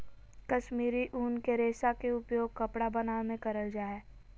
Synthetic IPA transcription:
kɐʃmiːɾiʔuːnkeɾeːsakeʊpjoːɡ̚kɐpɽabɐnaːmẽkɐɾəld͡ʒaːeː

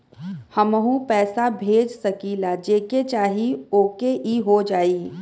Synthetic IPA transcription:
hɐməɦũpɛːsabʱeːd͡ʒsɐkiːlad͡ʒeːket͡ʃaːɦioːkeʔiɦod͡ʒaːi

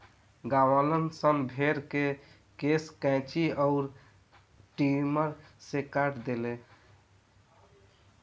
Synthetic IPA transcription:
ɡawələnsəmbʱeɾke | keskɛ̃t͡ʃiɔʊɾ | ʈiməɾsekaʈd̪ele

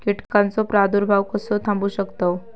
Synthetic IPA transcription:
kiʈkant͡sɔpɾad̪uɾbʱaʋkəsɔt̪ʰãmbuːɕəkt̪o

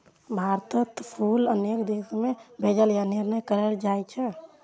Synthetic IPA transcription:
bʱaɾt̪ət̪pʰulənekd̪esmebʱed͡ʒəljaniɾnəjkəɾɛld͡ʒajt͡ʃʰɛ

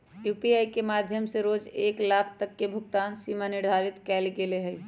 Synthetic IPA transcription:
juːpiaːikemaːd̪ʱjəmseɾoːd͡ʒeːklaːkʰt̪əkːebʱʊɡt̪aːnsiːmanɪɾd̪ʱaːɾɪt̪kɛːlɡeleɦɛ

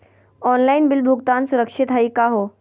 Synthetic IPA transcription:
ɔːnlaɪnbɪlbʱuɡt̪aːnsʊɾəkʂɪt̪ɦaiːkaɦoː

